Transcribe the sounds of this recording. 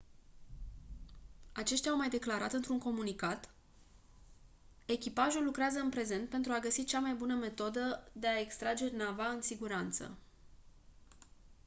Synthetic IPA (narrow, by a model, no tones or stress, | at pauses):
at͡ʃe̞ʃt̪jʲawmajd̪e̞klaɾat̪ɨnt̪ɾuŋko̞munikat̪ | e̞kʲipaʒulːukɾeazəɨnpɾe̞ze̞nt̪̚pe̞nt̪ɾuaɡəsit͡ʃamajbunəme̞t̪o̞d̪əd̪e̞ae̞kst̪ɾad͡ʒe̞navaɨnsiɡuɾant̪sə̰